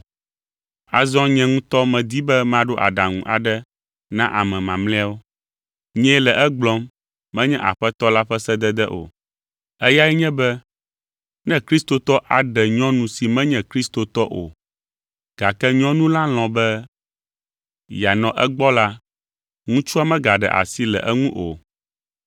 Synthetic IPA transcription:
a˨zɔ̃˦ɲɛ̃˨ŋũ˦t̪ɔ˦mɛ̃˨d̪i˦bɛ˦mã˨ɖo˦ʔa̰˨ɖa˨ŋṵ̃˨ʔa̰˨ɖɛ˦ | nã˦ʔa˨mɛ̃˨mã˨mlɛ̃˦a˦wo˦ | ɲɛ̃˦lɛ˨ʔɛ˦ɡ͡blɔ˦mː | ɛ̃˦ɲɛ̃˦ʔa̰˨ɸɛ˦t̪ɔ˦la˦ɸɛ˦sɛ˦d̪ɛ˦d̪ɛ˦ʔo̰˨ | ɛ˦ja˦ɛ˦ɲɛ̃˦bɛ˦ | nɛ̃˦kɾi˦st̪o˨t̪ɔ˦ʔa˨ɖɛ˨ɲɔ̃˦nũ˦si˨mɛ̃˦ɲɛ̃˨kɾi˦st̪o˨t̪ɔ˦ʔo˨ | ɡ̥a˨kɛ˦ɲɔ̃˦nũ˦la˦l̃ɔ̃˨bɛ˦ | ja˨nɔ̃˨ʔɛ˦ɡ͡bɔ˦la˦ | ŋũ˦t͡ʃu˦a˦mɛ̃˦ɡa˨ɖɛ̰˨ʔa̰˨si˦lɛ̰˨ʔɛ˦ŋũ˦ʔo˨

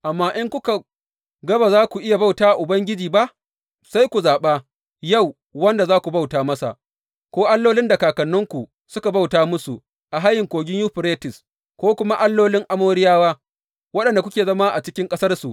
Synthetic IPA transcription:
ʔa˨mːaː˦ʔɪ˦ŋkʷʊ˦ka˨ | ɡɐ˦ba˨zaː˦kʷu˨ʔɪ˦ja˨ba˦wtaː˦ʔa˨ʔʊ˨bɐ˦ŋɡʲɪ˦d͡ʒiː˨ba˦ʔ | sa˦jkʷu˨zaː˨ɓa˦ | ja˦˨w | wɐ˦nda˨zaː˦kʷu˨ba˦wtaː˨mɐ˦sa̰˨ʔ | kʷoː˦ʔa˦lːoː˦lɪ˦ndɐ˨kaː˨kɐ˨nːʊ˦ŋkʷu˨ | sʊ˦ka˨ba˦wtaː˦mʊ˦su˨ | ʔa˨ɦa˦jːɪ˨ŋkʷoː˨ɡʲɪ˦ɲjuː˦ɸɾeː˦tɪ˨s | kʷoː˦kʷʊ˦ma˦ʔa˦lːoː˦lɪ˦ŋʔa˦moː˦ɾɪ˦jaː˦waː˦ | wɐ˦ɗɐ˨nda˨k̬ʷʊ˦kʲeː˨zɐ˦ma˦ʔa˨t͡ʃɪ˦kʲɪ˦ŋkʼɐ˦sɐ˦rsu˨ʔ

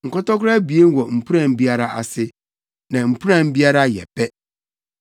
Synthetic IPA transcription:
ŋ̩˨kɔ˦tɔ˦kʊ˦ɾa˦bi˨e˦n˦wɔ˨m̩˨pʰu˦ã˨m˦bi˦a˦ɾa˦ʔa̰˨sɪ˦ | nã˨m̩˨pʰu˦ɾã˨m˦bi˦a˦ɾa˦jɛ̰˨pʰɛ˦

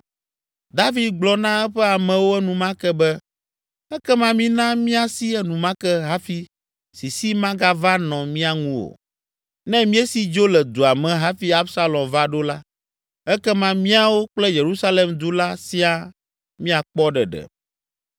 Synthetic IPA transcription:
d̪a˦vi˨d̪̚ɡ͡blɔ˦nã˦ɛ˦ɸɛ˦a˨mɛ̃˨wo˦ɛ˦nũ˨mã˦kɛ˦bɛ˦ | ɛ˦kɛ˦mã˦mĩ˦nã˦mĩ˦a˨si˦ɛ˦nũ˨mã˦kɛ˦ɦa˦fi˦ | si˨si˦mã˦ɡa˦va˦nɔ̃˨mĩ˦a˨ŋũ˦wo̰˨ | nɛ̃˦mĩ˦e˦si˦d͡ʒo˦lɛ˨d̪o˨a˨mɛ̃˨ɦa˦fi˦a˦bsa˦lɔ̃˨mva˦ɖo˦la˦ | ɛ˦kɛ˦mã˦mĩ˦a˦wo˦k͡plɛ˦je˨ɾu˦sa˦le˨md̪u˦la˦si˦a˦ | mĩ˦a˨k͡pɔ˦ɖɛ˨ɖɛ̰˨

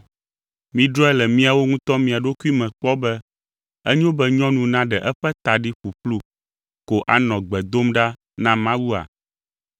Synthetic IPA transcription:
mĩ˨ɖɾɔ˦ɛ˦lɛ˨mĩ˦a˨wo˦ŋũ˦t̪ɔ˦mĩ˨a˨ɖo˦ku˦i˦mɛ̃˨k͡pɔ˦bɛ˦ | ɛ˦ɲ˦o˦bɛ˦ɲɔ̃˦nũ˨nã˦ɖɛ˨ʔɛ˦ɸɛ˦t̪a˨ɖi˦ɸu˨ɸlu˦ | ko˨ʔa˨nɔ̃˨ɡ͡bɛ˨d̪o˦mɖa˦ | nã˦mã˦wu˦a̰˨

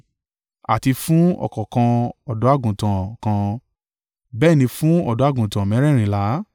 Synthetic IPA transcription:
a̰˨ti˧fũ˦ɔ̰˨kɔ˨kã˧ɔ˨dɔ˨˦a˦˨ɡũ˨tã˨kã˧ | bɛː˦˨nĩ˧fũ˦ɔ˦˨dɔ˨˦a˦˨ɡũ˨tã˨mɛ̃˨˦ɾɛ˦˨ɾ̃ĩ˧˦˨la˨˦

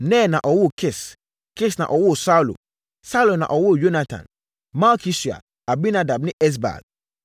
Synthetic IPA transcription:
nɛ̃˦˨nã˨ʔɔ˨wʊ˦˨kʰe˦˨s | ke˦snã̰˨ʔɔ˨wʊ˦˨sa˦lo̰˨ | sa˦lo˨nã̰˨ʔɔ˨wʊ˦˨jo˦na˦tʰã̰˨n | mã˦kʰi˦si˨a̰˨ | a˨bi˦na˦da˨bnɪ̃˦ʔɛ˦s̬ba̰˨ɡ̥̚

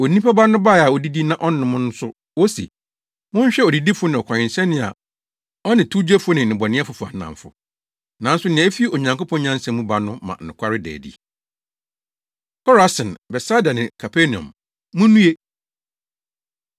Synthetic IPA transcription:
o˨nĩ˦pʰa˦ba˦nʊ̃˦ba˦˨a˨ɔ˨di˦di˦nã˦ʔɔ˦n˦ɪ̃˨mʊ̃˦nʊ˦sʊ˦ | wo˦sḭ˨ | mʊ̃˦ɲ˦ɕᶣɛ˦ɔ˨di˨di˦fʊ˦nɪ̃˨ɔ˨kʰʷã˨ɲɪ̃˨nsɛ˦nɪ̃˦a̰˨ | ɔ˦nɪ̃˨tʰu˦d͡ʑᶣɛ˦fʊ˦nɪ̃˨nɪ̃˨bɔ˨nɪ̃˦ɛ˦fʊ˨fʊ˨a̰˨nã̰˨m˨fʊ̰˨ | nã˨n̩˦sʊ˦nɪ̃˨˦e˦fi˦ʔo˨ɲã˨ŋko˦pʰɔ̃˦nɲã˦n̩˦sɛ̃˦mũ˦ba˦nʊ̃˦mã̰˨nʊ̰̃˨kʷʰa˦ɾɪ˦dɛ̰ː˨dḭ˦ | kʰɔ˦ɾa˨sɪ̃˨nbɛ˨saː˦da˨nɪ̃˨kʰa˨pʰe˦nĩ˨ɔ̰̃˨m | mʊ̃˦nũ˦e˦

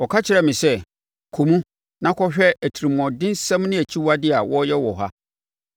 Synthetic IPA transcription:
ɔ˨kʰa˦t͡ɕʰɪ˨ɾɛ˦˨mɪ̃˨sɛ˦ | kʰũ˨mũ˦ | nã˦kʰɔ˦ɕᶣɛ˦æ˨tʰi˨ɾi˨m˨ɔ̃˨dɪ̃˦n˦sɛ̃˦m˦nɪ̃˦æ˨t͡ɕʰi˦wa˦dɪ˦a˨wɔ˦jɛ˦wɔ˨ɦa̰˦

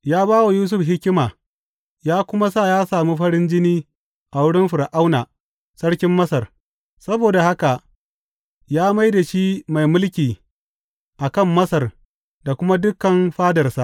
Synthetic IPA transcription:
jaː˦baː˦wa˨juː˦s̬ʊ˦˨ɸɦɪ˦kʲɪ˦maː˨ | jaː˦kʷʊ˦ma˦saː˦˨jaː˦saː˨mi˦ɸɐ˦ɽɪ˦nd͡ʒɪ˦niː˦ | ʔa˨wʊ˦ɽɪ˦nɸɪ˨ɾʔa˦wna˨ | sɐ˦ɽkʲɪ˦mːɐ˦sɐ˨r | sɐ˦boː˨da˨ha˦ka˨ʔ | jaː˦ma˦jda˨ʃi˦ma˨jmʊ˦lkʲiː˨ | ʔa˨kɐ˦˨mːɐ˦sɐ˨r | da˨kʷʊ˦ma˦dʊ˦kːɐ˨mɸaː˦dɐ˨rsa˦˨ʔ

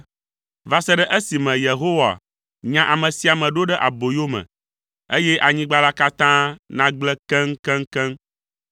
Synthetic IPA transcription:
va˨sɛ˦ɖɛ˦ʔe˦si˨mɛ̃˨je˨ɦo˦wa̰˨ | ɲã˦ʔa˨mɛ̃˨si˨a˨mɛ̃˨ɖo˦ɖɛ˦ʔa˨bo˨jo˦mɛ̰̃˨ | e˦jɛ˦ʔa˨ɲĩ˦ɡ͡ba˦la˦ka˦t̪ã˦nã˦ɡ͡blɛ˦kɛ˦ŋ˦kɛ̃˦ŋ˦kɛ̃˦ŋ

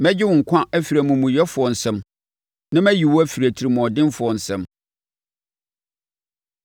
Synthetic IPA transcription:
mɛ̃˦d͡ʑɪ˦wʊ̃˨ŋ̩˨kʷʰã˦æ˦fi˨ɾæ˨mũ˨mũ˨jɛ˦fʊ˨ɔ˨n̩˨sɛ̃˦m | nã˦mæ̃˦ji˨wɔ˦æ˦fi˨ɾæ˨tʰi˨ɾi˨mʊ̃˨ɔ˨dɪ̃˦nfʊ˨ɔ˨n̩˨sɛ̃˦m

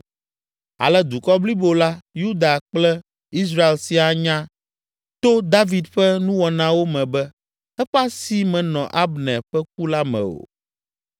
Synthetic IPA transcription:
a̰˨lɛ˦d̪u˨kɔ˦bli˦bo˨la˦ju˦d̪a˨k͡plɛ˦ | i˦s̬ɾa˦e˨lsi˨a˨ɲã˦ | t̪o˦d̪a˦vi˨d̪ɸɛ˦nũ˦wɔ˨nã˦wo˦mɛ̃˨bɛ˦ | ɛ˦ɸa˦si˨mɛ̃˨nɔ̃˨ʔa˦bnɛ̃˨ɸɛ˦k̚u˦la˦mɛ̰̃˨o̰˨

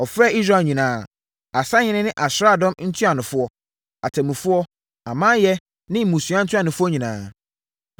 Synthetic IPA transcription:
ɔ˨fɾɛ˦˨i˦s̬ɾaː˨ɲĩ˨nãː˨˦ | a˨sa˦ɲɪ̃˦nɪ̃˦nɪ̃˦ʔa˨ɕɾa˦˨dɔ̃˦mn̩˦tʰu˦a˨nʊ̃˨fʊ˦ɔ˦ | a˨tʰã˨mũ˨fʊ˦ɔ˦ | a˨mã˦jɛ˦ | nɪ̃˦m̩˨mũ˨su˨a˦n̩˦tʰʊ˦a˨nʊ̃˨fʊ˦ɔ˦ɲĩ˨nãː˦

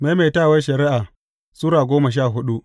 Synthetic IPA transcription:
ma˦me˨taː˦˨wa˦ʃɐ˨ɾɪ˦ʔa˨ | suː˦ɽaː˨ɡʷoː˦ma˨ʃ̬aː˦˨ɦʊ˦ɗu˦ʔ

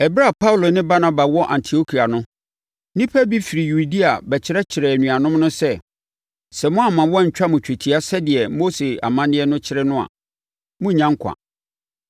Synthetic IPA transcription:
ɛ˨bɾa˦˨pʰa˦ʊ˨lo˨nɪ̃˦ba˦na˦ba˨wɔ˦ʔã̰˨ntʰi˨o˦kʰi˨a˨nʊ̃˦ | nĩ˦pʰɛ˦bi˦fi˨ɾi˨ju˨di˦a˨bɛ˨t͡ɕʰɪ˨ɾɛ˦t͡ɕʰɪ˨ɾɛ˨æ˨nũ˨a˨nʊ̃˦mnʊ̃˦sɛ˦ | sɛ˨mʊ̃˦a˨mã˨wɔ˦˨ɲ̩˨t͡ɕᶣa˦mʊ̃˨t͡ɕᶣe˨tʰi˨˦a˦sɛ˦dɪ˨ɛ˨mo˦se˨a̰˨mã˦nɪ̃˦ɛ˦nʊ̃˦t͡ɕʰɪ˦ɾɪ˦nʊ̃˦a̰˨ | mʊ̃˦˨ɲã˦ŋ˦kʷʰã̰˨

